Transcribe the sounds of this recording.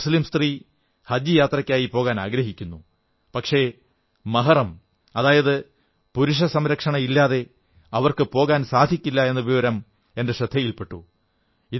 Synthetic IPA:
sliːmst̪ri | hɐdjijaːt̪rɐkʲːaːjipo̞ːɣaːnaːɡɾɐɦikʲːunːu | pɐkʂe̞ | mɐɦɐrɐm | ɐðaːjɐðɨ | puɾuʂ̬ɐsɐmɾɐkʂɐɳɐilːaːðe̞ | ɐʋɐrkɨpo̞ːɣaːnsaːd̪ʱikʲːilːɐe̞nːɐʋiʋɐɾɐm | e̞nde̞ʂɐd̪ʱːɐjilpe̞ʈːu | i

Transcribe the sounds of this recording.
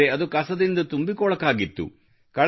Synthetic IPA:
eɐd̪ukɐsɐd̪ind̪ɐt̪umbikɔːɭɐkːaːɡit̪ːṵ | kɐɭ

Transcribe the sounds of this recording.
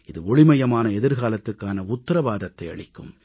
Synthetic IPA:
ɪðɯɔɭɪmɐjɐmaːnɐɛðɪɾɣaːlɐt̪ːɯkːaːnɐʊtt̪ːɐɾɐbaːðɐt̪ːɐɪɐ̰ɭɪkːɯm

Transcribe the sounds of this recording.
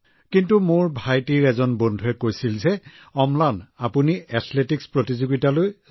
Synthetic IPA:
kintumʊɹbʱajtiɹɛzɔnbɔndʱuɛkojsilzɛ | ɔmlanapuniɛtʰletikspɹotizoɡitaloj

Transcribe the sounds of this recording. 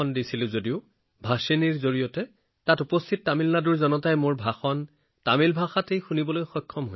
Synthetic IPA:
ɔndisilʊzodiʊ | bʱaseniɹzoɹijɔtɛ | tatupɔstʰit̚tamilnaduɹzɔnɔtajmʊɹbʱaxɔn | tamilbʱaxatejxunibɔlojxɔkʰːɔmɦo

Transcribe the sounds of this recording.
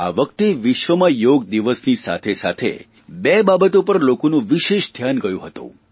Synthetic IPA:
a̰ʋəkt̪eʋɪʃʋəmãjoɡ̚d̪iʋəsnisa̰t̪ʰesa̰t̪ʰḛ | bebabət̪opəɾlokonũʋiʃeʃd̪ʱjanɡəjṵ̃ɦət̪ṵ̃

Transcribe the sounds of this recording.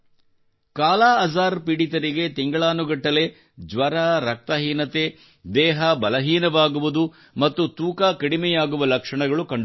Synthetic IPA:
kaːlaːɐzaːɾpiɽit̪̬ɐɾiɡe̞t̪iŋɡɐɭaːnuɡɐʈːɐle̞ | d͡ʒʋɐɾaɾɐk̚t̪ɐɦiːnɐt̪e | d̪ɛːɦɐbɐlɐɦiːnɐʋaːɡuʋud̪u | mɐt̪ːut̪uːkaːkɐɽimɛjaːɡuʋɐlɐkʂɐɳɐɡɐɭukɐɳɖ

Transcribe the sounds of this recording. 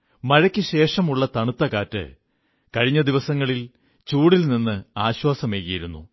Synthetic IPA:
mɐɻɐkʲːɨɕe̞ːʂɐmuɭːɐt̪ɐɳut̪ːɐkaːtːɨ̰ | kɐɻiɲːɐd̪iʋɐsɐŋːɐɭil | t͡ɕuːɽilninːɨaːɕwaːsɐmeːkːɐjiɾunːṵ

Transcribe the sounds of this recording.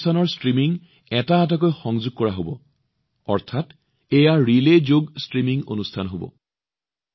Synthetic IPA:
tʰanɔɹstɹimiŋ | ɛtaːt̬ak̬ojxɔŋzuɡ̚kɔɹaɦobɔ̰ | ɔɹtʰat | ejaɹilezoɡstɹimiŋo̰nustʰanɦobɔ̰

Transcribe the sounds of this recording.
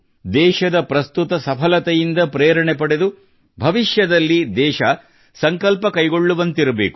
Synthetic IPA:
d̪ɛːʃɐd̪ɐpɾɐst̪ut̪ɐsɐpʰɐlɐt̪ɛjind̪ɐpɾeːɾɐɳepɐɽed̪u | bʱɐʋiʃjɐd̪ɐlːid̪ɛːʃɐ | sɐŋkɐlpɐkɐjɡo̞ɭːuʋɐnt̪iɾɐbeːku

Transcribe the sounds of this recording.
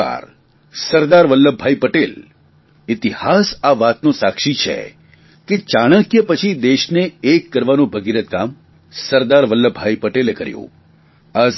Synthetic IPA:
a̰ɾ | səɾd̪aɾʋəlːəbʱajpəʈel | ɪt̪ihasaʋat̪nũsakʃit͡ʃʰḛ | ket͡ʃaɽ̃ə̃kjəpət͡ʃʰid̪eʃneːkːəɾʋanũbʱəɡiɾət̪kam | səɾd̪aɾʋəlːəbʱaipəʈelekəɾjṵ̃ | a

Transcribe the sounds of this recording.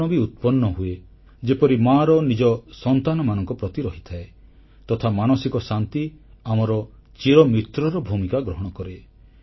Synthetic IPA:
ɔbiut̪̚pɔnːɔɦue | d͡ʒepɔɾimaɾɔnid͡ʒɔsɔnt̪anɔmanɔŋkɔpɾɔt̪iɾɔɦit̪ʰae | t̪ɔt̪ʰamanɔsikɔsant̪iamɔɾɔt͡ʃiɾɔmit̪ɾɔɾɔbʱumikaɡɾɔɦɔɽ̃ɔkɔɾe

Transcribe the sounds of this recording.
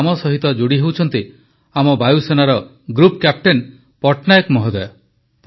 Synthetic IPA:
mɔsɔɦit̪ɔd͡ʒuɽiɦewt͡ʃʰɔnt̪i | amɔbajusenaɾɔ | ɡɾupkjap̚ʈen | pɔʈnajekmɔɦɔd̪ae | p

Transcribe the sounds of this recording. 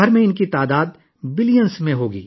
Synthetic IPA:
əɾmẽɪnkit̪aːd̪aːd̪ | bɪlijənsmẽɦoːɡḭː

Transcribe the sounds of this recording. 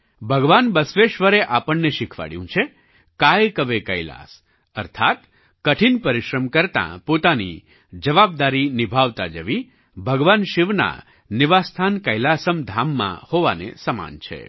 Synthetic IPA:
bʱəɡʋanbəsʋeʃʋəɾeʔapəɳːeʃɪkʰʋa̰ɽjṵ̃t͡ʃʰe | kajkəʋekəjla̰s | ə̰ɾt̪ʰat̪ | kəʈʰinpəɾiʃɾəmkəɾt̪ã̰pot̪anḭ | d͡ʒəʋab̚d̪aɾinibʱaʋt̪a̰d͡ʒəʋi | bʱəɡʋanʃiʋna̰ | nɪʋast̪ʰankəjlasəmd̪ʱamːã̰hoʋa̰nḛsəma̰nt͡ʃʰḛ

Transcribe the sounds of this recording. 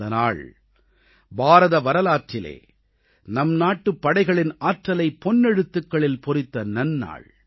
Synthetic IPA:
ɐna̰ːɭ | bʱaːɾɐðɐʋɐɾɐlaːʈɾɪlḛː | nɐmnaːʈːɯpːɐɽɐɪɣɐɭɪnaːʈrɐlɐɪpːɔnːɛɽɯt̪ːɯkːɐɭɪlpɔɾɪt̪ːɐnɐnːa̰ːɭ

